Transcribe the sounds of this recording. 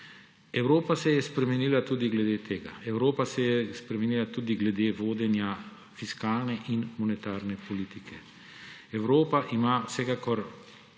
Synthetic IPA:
ɛwɾoːpasɛjɛspɾɛmɛniːlat̪uːd̪iɡlɛd̪eːt̪ʰeːɡa̰ɛwɾoːpasɛjɛspɾɛmɛnilat̪uːd̪iɡlɛd̪eːʋoːd̪ɛnja | fiskaːlnɛʔinmɔnɛt̪aːɾnɛpɔliːt̪ikʰɛ | ɛwɾoːpaʔimawsɛkakɔɾ

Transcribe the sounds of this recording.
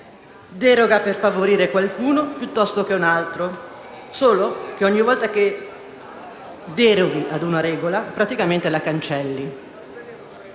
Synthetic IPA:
d̪ɛːɾoɡaperfavoɾiːɾekwalkuːnopjut̪ːɔst̪ok̟eunalt̪ɾo | soːlok̟eɔɲːivɔlt̪ake | d̪ɛɾoɡiʔad̪unaɾɛːɡolapɾat̪ikament̪elakant͡ʃɛlːi

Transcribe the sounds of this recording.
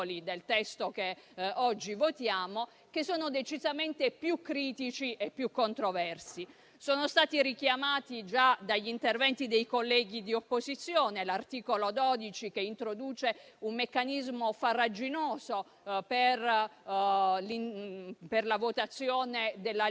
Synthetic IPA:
lid̪elt̪ɛst̪okeɔd͡ʒːivot̪jaːmo | kesːoːnod̪et͡ʃizament̪epjukːɾiːt̪it͡ʃiʔepːjukːont̪ɾovɛrsi | soːnost̪aːt̪iɾikjamaːt̪id͡ʒad̪aʎːint̪ervɛnt̪id̪ejkolːɛːɡid̪iopːozit̪sːjoːnelart̪iːkolod̪ɔd̪it͡ʃik̟eint̪ɾod̪uːt͡ʃeumːekːanizmofarːad͡ʒinoːzo | per | liperlavot̪at̪sːjoːned̪elːa

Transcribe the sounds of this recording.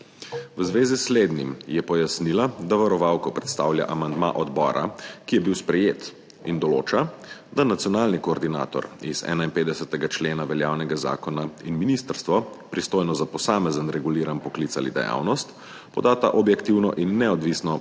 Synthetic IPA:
ʋəzʋeːzisleːd̪nḭmjɛpɔjasnilad̪aʋaɾɔʋaːwkɔpɾɛt̪st̪a̰ːwlja̰ʔamand̪ma̰ʔɔd̪bɔːɾʔa̰kijɛbiwspɾɛjeːt̪ | ind̪ɔlo̰ːt͡ʃad̪anat̪sjɔnaːlnikɔːɾd̪ina̰ːt̪ɔ̰ɾḭzɛ̰ːnainpeːd̪ɛsət̪ɛɡat͡ʃleːnaʋɛljaːwnɛɡaza̰ːkɔnainminist̪əɾst̪ʋɔpɾist̪oːjnɔzapɔsaːmɛzənɾɛɡuliːɾanpɔkliːtsalḭd̪ɛ̰ja̰ːwnɔst̪ | pɔd̪at̪aʔɔbjɛkt̪iwnɔ̰ʔinːɛɔd̪ʋiːsnɔ

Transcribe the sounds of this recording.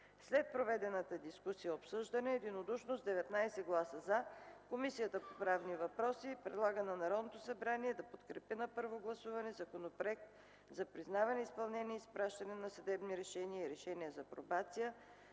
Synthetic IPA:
slɛt̪̚pɾovɛd̪ɛnət̪əd̪iskusijɐopsɤʒd̪ɐnɛːd̪inod̪uʃnozd̪ɛvɛt̪najsɛɡlˠasəzakomisijət̪əpopɾavnivɐpɾɔsipɾɛd̪lˠaɡənɐnɐɾɔd̪not̪osɐbɾaniɛd̪ɐpot̪kɾɛpinɐpɤɾvoɡlˠɐsuvɐnɛzɐkonopɾoɛk̚t̪̚ | zɐpɾiznavɐnɛispɐlˠnɛniispɾaʃt̪ɐnɛnɐsɐd̪ɛbniɾɛʃɛniəiɾɛʃɛniəzɐpɾobat̪sijə

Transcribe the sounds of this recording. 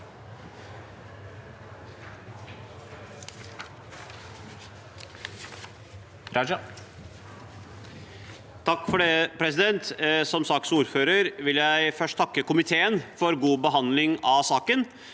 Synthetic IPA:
ɾɑd͡ʒɑ | t̪ʰɑkːfɔɖeːpʰɾɛs̬ɪd̪ɛnt̪sɔmsɑksuːɾføːɾəɾʋɪljæɪfœʂʈt̪ʰɑkːəkʊmɪt̪ʰeːənfɔɾɡuːbəɦɑnlɪŋɑsɑːkən

